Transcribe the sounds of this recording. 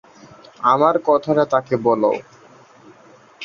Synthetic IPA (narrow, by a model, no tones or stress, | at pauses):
amaɾkɔt̪ʰaɾat̪akebɔlo̰ʊ